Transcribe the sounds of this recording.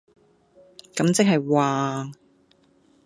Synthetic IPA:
kɐ˨˥mt͡sɪ˥k̚ɦɐ˨jwaː˨ŋ

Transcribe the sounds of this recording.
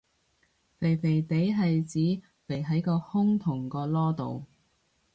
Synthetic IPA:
fe˨˩jfe˨˩jt̪e˨˥jɦɐ˨jt͡siː˨˥ | fe˨˩jɦɐ˨˥jkɔː˧hʊ˥ŋt̪ʰʊ˨˩ŋkɔː˧lɔː˥t̪o̰˨w

